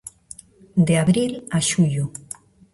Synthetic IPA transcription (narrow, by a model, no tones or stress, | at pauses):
d̪eaβɾilaʃuʎu